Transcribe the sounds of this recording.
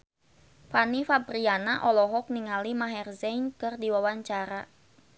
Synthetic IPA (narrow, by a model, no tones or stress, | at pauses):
fanifabɾianaʔɔlɔɦɔk̚niŋalimaɦɛrzɛnkɨrdiwawaɲt͡ʃaɾa